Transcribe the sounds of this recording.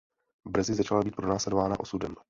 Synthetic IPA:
br̩zɪzat͡ʃalabiːt̪̚pɾo̞naːslɛdo̞vaːnaʔo̞sudɛm

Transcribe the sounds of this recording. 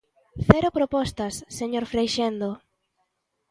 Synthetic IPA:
θɛɾʊpɾopɔst̪ɐsːeɲoɾfɾejʃend̪o

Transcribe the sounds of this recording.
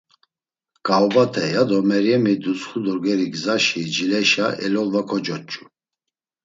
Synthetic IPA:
kʼawbat̪ʰɛjad̪ɔmɛɾjɛmid̪ut͡sχud̪uɾɡɛɾiɡzaʃid͡ʒilɛʃaʔɛ̰lɔlvakʰɔd͡ʒɔt͡ʃʼu̥

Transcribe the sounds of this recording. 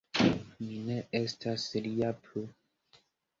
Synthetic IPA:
mineestʰasliapʰlu

